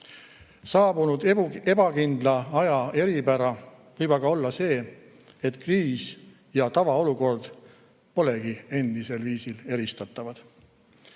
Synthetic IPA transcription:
sɑːbunud̪̥e̞b̥ɑkind̪lɑɑjɑe̞ɾibæɾɑ | vɤjbɑɡ̥ɑo̞lːɑse̞ː | e̞t̪ˑkriːs | jɑt̪ɑvɑo̞luko̞rd̪̥ | po̞le̞ɡ̥ie̞nd̪̥ise̞lviːsile̞ɾist̪ɑt̪ːˑɑvɑd̪̥

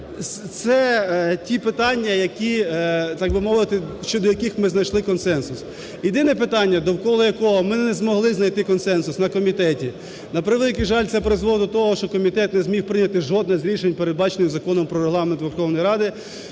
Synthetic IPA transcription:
st̪sɛtʲipɪt̪ɑnʲːɐjɐkʲit̪ɑɡʋɪmɔʋɪt̪ɪʃt͡ʃɔd̪ɔjɐkixmɪznɐjʃlˠɪkɔnsɛnsʊs | jɪd̪ɪnɛpɪt̪ɑnʲːɐd̪ɔwkɔlˠɔjɐkɔɦɔmɪnɛzmɔɦlˠɪznɐjt̪ɪkɔnsɛnsʊsnɐkɔmʲit̪ɛtʲi | nɐpɾɪʋelˠʲɪkɪʒɑlʲt̪sɛpɾɪzʋˠɔd̪ɔt̪ɔɦɔʃt͡ʃɔkɔmʲit̪ɛt̪nɛzʲmʲiwpɾɪnʲːɐt̪ɪʒɔd̪nɪxzʲɾʲiʃenʲpeɾed̪̚bɑt͡ʃenɪzɐkɔnɔmpɾɔɾeɦlˠɑment̪ʋerxɔwnɔjɾɑd̪ɪ

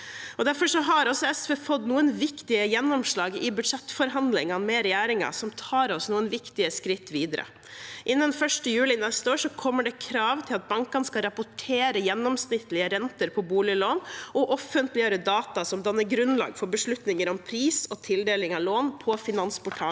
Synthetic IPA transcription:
ɔd̪æɾfɔʂɔɦɑɾɔsɔɛsfefɔt̪nuːənʋɪkt̪ɪəjɛnːɔmʂɭɑːɡɪbʉd̪ʂɛt̪ːfɔɾɦɑnd̪lɪŋɑmɛɾɛjæːɾɪŋɑ̰sɔmt̪ʰɑːɾɔsnuːənʋɪkt̪ɪəskɾɪt̪ːʋiːd̪əɾə̰ | ʔɪnːənfœʂʈəjʉːlɪnɛst̪əoːɾʂɔkʰɔmːəɖɛkʰɾɑːʋt̪ʰɪlɑt̪̚bɑŋkɑnəskɑɾɑpʊʈʰeːɾəjɛnːɔmsnɪt̪ːlɪəɾɛnt̪əɾpʰɔbuːlɪəloːnɔʔɔfənt̪lɪɑɾəd̪ɑːt̪ɑsɔmd̪ɑnːəɾɡɾʉnlɑ̰ːɡfɔɾbəʂɭʉt̪nɪŋəɾɔmpʰɾiːsɔt̪ʰɪld̪eːlɪŋɑloːnpʰɔfɪnɑnspʊʈʰɑː

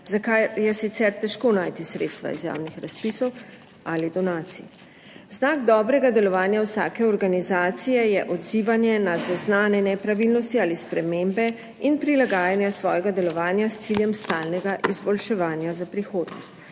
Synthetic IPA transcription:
zakajjɛsit̪sɛɾt̪ɛʃkoːnaːjt̪isɾḛːt̪st̪ʋa̰ḭzja̰ːwnixɾaspisɔw | alid̪ɔnaːt̪sḭ | znaːɡd̪ɔːbɾɛɡad̪ɛlɔʋaːnjawsaːkɛɔɾɡanizaːt̪sijɛjɛʔɔd̪ziːʋanjɛnazaznaːnɛnɛpɾaʋilnɔst̪iaːlispɾɛmeːmbɛ | inpɾilaɡaːjanjasʋɔːjɛɡad̪ɛlɔʋaːnjast̪siljɛmst̪aːlnɛɡaʔizbɔlʃɛʋaːnjazapɾixoːd̪nɔ̰st̪

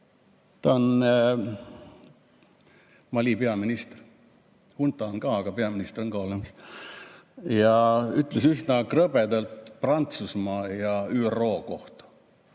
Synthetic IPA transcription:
t̪ɑon | mɑlʲipeɑminist̪er | hunt̪ːˑɑonkɑːɑɡ̥ɑpeɑminist̪eronkɑːlemɑs | jɑyt̪ːˑlesysnɑkrɤbed̪ɑlt̪prɑnt̪susmɑːjɑyːerːo̞ːko̞ht̪ɑ̥

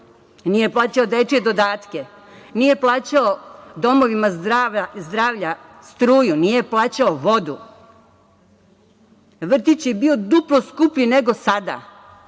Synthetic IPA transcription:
nije̞plˠaːt͡ɕaod̪et͡ʃed̪o̞d̪aːt̪ke̞ | nije̞plˠaːt͡ɕaod̪o̞mo̞ʋimaazd̪ɾaːʋʎast̪ɾuːjunijeplˠaːt͡ɕaoʋo̞d̪ṵ | ʋr̩t̪it͡ɕjebio̞d̪uploskupʎineɡo̞sad̪a̰

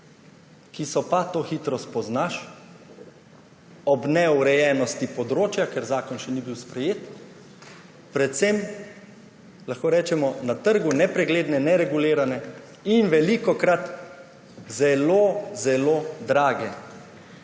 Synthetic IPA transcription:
kisɔpat̪oːxiːt̪ɾɔspɔznaʃ | ɔbnɛɔɾɛjɛːnɔst̪ipɔd̪ɾoːt͡ʃjakɛɾzaːkɔnʃɛnibiwspɾɛjeːt̪ | pɾɛt̪sem | laxkoːɾɛːt͡ʃɛmɔnat̪əɾɡunɛpɾɛɡleːd̪nɛnɛɾɛɡuleːɾanɛ | inʋɛlikɔkɾat̪ | zɛloːzɛloːd̪ɾaːɡɛ

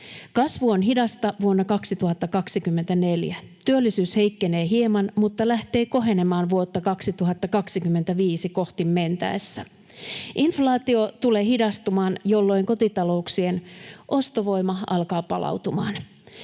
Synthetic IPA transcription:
kɑsʋuonɦidɑst̪ɑʋuonːɑkɑksit̪uɦɑt̪ːɑkɑksikymːent̪æneljæt̪yølːisyːshe̞ikːene̞ːɦiemɑnmut̪ːɑlæht̪e̞ːko̞ɦe̞nemɑːnʋuot̪ːɑkɑksit̪uɦɑt̪ːɑkɑksikymːent̪æʋiːsiko̞ht̪imːent̪æ̰esːæ | ʔinflɑːt̪io̞t̪uleːhidɑst̪umɑːnjolːo̞iŋkot̪it̪ɑlo̞uksienʔo̞st̪oʋo̞imɑɑlkɑːpɑlʔɑ̰wt̪umɑ̰ːn

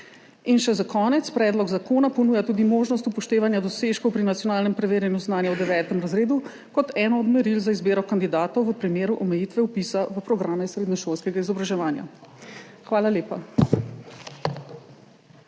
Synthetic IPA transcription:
inʃɛzakɔːnɛt̪spɾɛːd̪lɔɡzakoːnapɔnuːjat̪uːd̪imoːʒnɔs̬t̪upɔʃt̪eːʋanjad̪ɔseːʃkɔwpɾinat̪sjɔnaːlnɛmpɾɛʋeːɾjɛnjuznaːnjawd̪ɛʋɛːt̪ɛmɾazɾeːd̪u | kɔt̪ɛːnɔːd̪mɛɾilzaizbeːɾɔkand̪id̪aːt̪ɔwʋəpɾimeːɾuʔɔmɛjit̪ʋɛupisaʋəpɾɔɡɾaːmɛsɾeːd̪nɔʃoːlskɛɡaizɔbɾaʒɛʋaːnja̰ | xʋaːlaleːpa

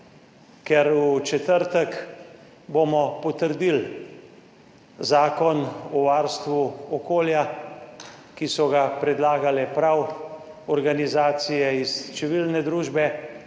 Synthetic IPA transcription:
kɛɾut͡ʃɛt̪əɾt̪ək | bomɔpɔt̪əɾd̪il | zaːkɔnɔʋaːɾst̪ʋuɔkoːlja | kisɔɡapɾɛd̪laːɡalɛpɾaw | ɔɾɡanizaːt̪sijɛist͡ʃɛʋilnɛd̪ɾuːʒbɛ

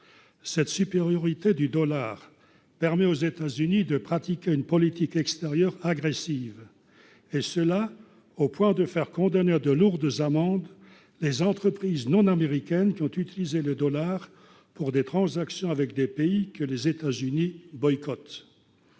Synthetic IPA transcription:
sɛt̪sypeʁjɔʁit̪ed̪yd̪ɔlaːʁ | pɛʁmɛozet̪azynid̪əpχat̪ikʲeynpɔlit̪ikɛkst̪eʁjœʁaɡʁesiv | esəla | opwɛ̃d̪əfɛʁkɔ̃d̪aned̪əluʁd̪zamɑ̃d̪ | lezɑ̃t̪χəpχiznɔ̃nameʁikʲɛnkʲiɔ̃t̪yt̪ilizeləd̪ɔlaʁ | puʁd̪et̪χɑ̃zaksjɔ̃avɛkd̪epeikəlezet̪azynibɔjkɔt̪

